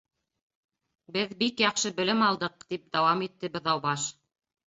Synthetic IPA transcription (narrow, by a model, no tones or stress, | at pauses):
bɘðbikjɑqʃɤbɘ̆lɘmɑlˠd̪ɤq̚t̪ip̚d̪æwɑmit̪ːɘbɤ̆ðɑwbɑʃ